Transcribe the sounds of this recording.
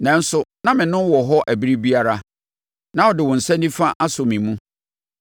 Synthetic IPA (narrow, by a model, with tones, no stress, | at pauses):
nɛ̃˨n̩˦sʊ˨nã˦mɪ̃˨nʊ̃˦n˦wɔ˨ɦɔ˦ʔæ˨bi˦ɾi˦bi˦a˦ɾa˦ | nã˨ɔ˨dɪ˨wɔ̃˨n̩˨sɛ̃˦nːĩ˦fa˦ʔa˦sʊ˨mĩ˨mũ˦